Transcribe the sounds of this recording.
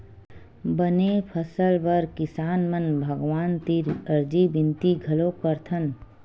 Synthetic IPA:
bənepʰəsəlbəɾkɪsaːnmənbʱəɡʋaːnt̪iɾəɾd͡ʒibɪ̃nt̪iɡʱɐlokəɾt̪ʰən

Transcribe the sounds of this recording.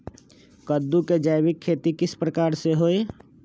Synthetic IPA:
kəd̪ːuked͡ʒaːɪbɪkʰːeːt̪ikɪspɾəkaːɾseɦoːe

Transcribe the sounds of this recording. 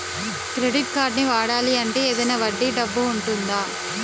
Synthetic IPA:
kɾeɽiʈ̚kaːɾɖniʋaːɽaːliɐɳʈeːeːd̪ɐjnɐʋɐɖːiɖɐbːuuɳʈund̪aː

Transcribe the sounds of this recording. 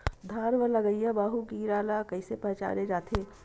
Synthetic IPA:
d̪ʱaːɾʋələɡəjabaːɦuɡiːɾaːlakəɪsepət͡ʃa̰ːɾed͡ʒaːt̪ʰe

